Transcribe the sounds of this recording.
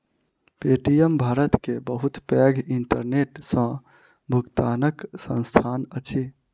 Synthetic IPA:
peʈijembʱaɾət̪kebəɦut̪pɛɡʱiɳʈəɾneʈsə̃ | bʱukt̪anəksə̃nst̪ʰanət͡ʃʰi

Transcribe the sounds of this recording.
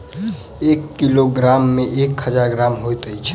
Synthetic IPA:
ekːiloɡɾamːeʔekhəd͡ʒaɾɡɾamɦojt̪əjt͡ʃʰ

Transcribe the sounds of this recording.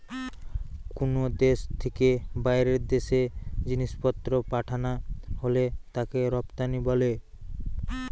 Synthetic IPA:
konod̪eʃt̪ʰekebajɾeɾd̪eʃed͡ʑiniʃpɔt̪ːɾopaʈʰanaholet̪akeɾɔpt̪anibɔle

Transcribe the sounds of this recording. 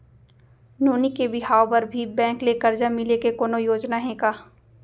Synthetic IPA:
noːnikebɪɦaːopɐɾbʱibɛ̃ːŋklekɐɾd͡ʒamɪlekekoːnojoːd͡ʒnaɦẽːkaː

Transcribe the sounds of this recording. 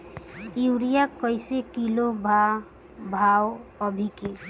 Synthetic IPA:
iwɾijakɔjsekilobʱa | bʱawʌbʱike

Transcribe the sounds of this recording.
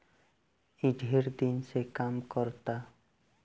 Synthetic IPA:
iɖʱeɾd̪insekamkɔɾt̪a

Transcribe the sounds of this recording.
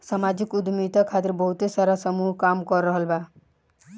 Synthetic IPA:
samad͡ʒikud̪mit̪akʰat̪iɾbɔɦut̪esaɾasəmuɦkamkɔɾːəɦəlba

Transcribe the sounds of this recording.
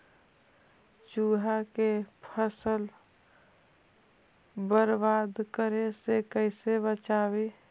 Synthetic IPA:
t͡ʃuːɦakepʰəsəl | bəɾbad̪kəɾesekəɪsebət͡ʃaːbi

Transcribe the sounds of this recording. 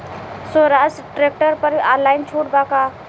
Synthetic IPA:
soɾasʈɾek̚ʈəɾpəɾaɾlaɪnt͡ʃʰuɽbaka

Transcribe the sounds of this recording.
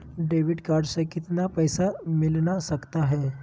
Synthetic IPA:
ɖeʋiɖkaɾɖsəkit̪napəjsamilñasəkt̪aɦe

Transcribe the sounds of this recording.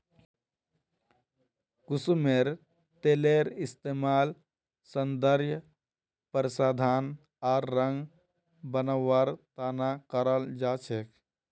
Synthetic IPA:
kʊsumeɾ | t̪eːleɾɪst̪eːmaːl | sənd̪əɾjə | pəɾsaːd̪ʱaːn | aːɾːə̃ŋɡ | bənəwaɾt̪aːnakəɾəld͡ʒaːt͡ʃʰek

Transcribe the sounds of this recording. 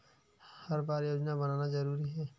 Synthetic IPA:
hɐɾbaːɾjoːd͡ʒnabɐnaːnazɐɾuːɾiɦɛː

